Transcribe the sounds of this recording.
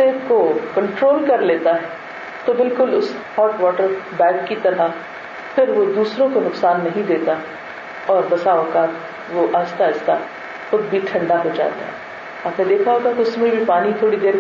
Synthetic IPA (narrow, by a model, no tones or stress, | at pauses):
eːkokɐ̃ɳʈɾoːlkɐɾleːt̪aɦɛ | t̪obɪlkʊlʊs | hɔːʈʋɔːʈəɾbɛ̃ːkːit̪ɐɾa | fɪɾʋod̪uːsɾõkonʊksaːnːɐɦĩd̪eːt̪aɦɛ | ɔːɾbɐsaːoːkaːt | ʋoʔaːd͡ʒt̪aɪst̪a | xʊd̪̚bʱiʈʰɐ̃ɳɖaɦod͡ʒa̰ːt̪a̰ɦɛ̰ː | aːpnẽd̪eːkʰaɦoːɡakiʊsmẽbʱipaːnit̪ʰoːɽid̪eːɾ